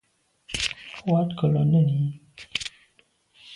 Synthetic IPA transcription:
wa˦tkə˨lɔ˨nə˦˨ni˨˦

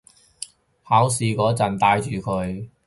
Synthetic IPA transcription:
haː˨˥wsiː˨kɔː˨˥t͡sɐ˨˩nt̪aː˧jt͡ʃyː˨kʰɵ˨˧˥ɥ

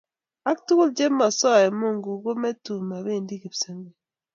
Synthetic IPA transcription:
a˦ktu˦ɣu˦ld͡ʒe˦ma˨sɔ˦˨e˨mo˦˨ŋɡu˨ɣo˦me˦tu˨ma˨βe˦˨ndi˦ki˨bse˦ŋe˨

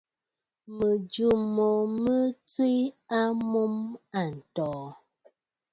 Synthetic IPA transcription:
mə˨d͡ʒu˨mo˨mə˦t͡swi˦a˦mo˦ma˨n̩˨tɔː˨˦

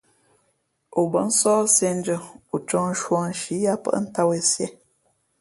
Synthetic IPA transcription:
u˨bə˨˦n̩˦sɔː˦se˦n˦d͡ʒə˨u˨t͡ʃɔ˦ŋ̩˦ʃwɔ˨˦ʃi˨˦ja˦pə̰˦˨ʔn̩˦ta˦we˨sjɛ˦

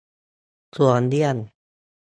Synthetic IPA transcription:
su˨˩əndi˧˩ən

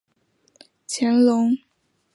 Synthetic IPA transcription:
t͡ɕʰjɛ˧˥nlʊ˧˥ŋ

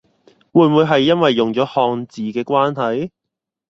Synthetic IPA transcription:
wuː˨˧jnmuː˨˧jɦɐ˨jːɐ˥nwɐ˨jːʊ˨ŋt͡ʃɔː˨˥hɔː˧ŋt͡siː˨kɛː˧kʷaː˥nɦɐ˨j

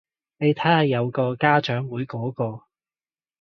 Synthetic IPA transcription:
ne˨˧jt̪ʰɐ˨˥hɐ˨jːɐ˨˧wkɔː˧kaː˥t͡ʃœː˨˥ŋwuː˨˥jkɔː˨˥kɔː˧

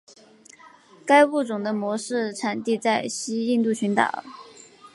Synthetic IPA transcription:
ka˥ɪpu˥˩ʈ͡ʂʊ˨˩ŋd̪ə˦mwɔ˧˥ʂɻ̩˥˩ʈ͡ʂʰa˨˩nt̪i˥˧t͡sa˥˩ɪɕi˥i˥˧nt̪u˥˩t͡ɕʰy˧˥nt̪ɑ̰˨˩˦

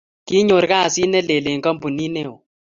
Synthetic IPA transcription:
ki˦ɲo˨ɾka˦˨si˦nɛ˦le˨le˨ŋka˦mpu˨ni˦nɛ˦o˨

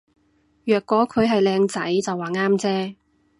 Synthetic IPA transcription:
jœː˨kːɔː˨˥kʰɵ˨˧ɥɦɐ˨jlɛː˧ŋt͡sɐ˨˥jt͡sɐ˨wːaː˨˩ŋaː˥mt͡sɛː˥

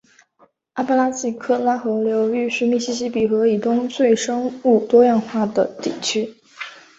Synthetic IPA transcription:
a˥pa˥la˥t͡ɕi˥˩kʰɤ˥˩la˥xɤ˧˥ljo˧˥ʊy˥˧ɕy˥mi˥˩ɕi˥ɕ̬i˥pi˨˩xɤ˧˥i˨˩t̪ʊ˥ŋt͡swe˥˩ɪʂɤ˥ŋu˥˩t̪wɔ˥jɑ˥˧ŋxwa˥˩d̪ə˩t̪i˥˩t͡ɕʰy˥

